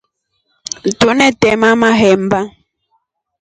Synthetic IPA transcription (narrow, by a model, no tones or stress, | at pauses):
n̩tunɛtɛmamaɦɛmba